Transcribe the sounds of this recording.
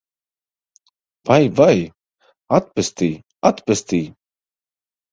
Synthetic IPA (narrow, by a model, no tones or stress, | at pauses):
vajvaj | at̪̚pɨst̪iː | at̪pɨst̪iː